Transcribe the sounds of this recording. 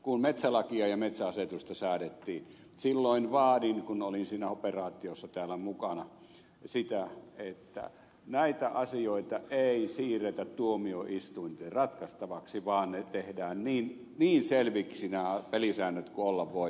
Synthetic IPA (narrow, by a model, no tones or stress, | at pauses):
kunmet̪sælɑkiɑjɑmet̪sæɑset̪ust̪ɑsæːdet̪ːiː | silːoinʋɑːdinkunolinsiːnæoperɑːt̪ːˑiosːɑt̪æːlːæmukɑnɑ | sit̪æet̪ːæ̰ | næit̪æʔɑsioit̪ɑʔeisiːret̪æt̪t̪uomioʔist̪uint̪eːrrɑt̪kɑst̪ɑʋɑksiʋɑːnnet̪ehdæːnniːn | niːnselʋiksinæpelisæːnːøt̪kuolːɑʋʋoi